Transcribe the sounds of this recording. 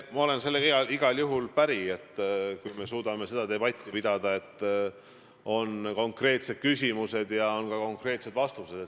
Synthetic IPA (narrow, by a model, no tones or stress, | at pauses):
mɑo̞le̞nse̞lːeeɑiɡ̥ɑljuɦulpæɾie̞t̪ːˑkujme̞suːd̪̥ɑme̞se̞d̪ɑd̪e̞bɑt̪ʲːipid̪̥ɑd̪̥ɑe̞t̪ˑː | o̞nko̞ŋkre̞ːt̪se̞d̪̥̚kysʲimuse̞d̪̥jɑo̞nkɑko̞ŋkre̞ːt̪se̞d̪̥vɑst̪use̞d̪̥e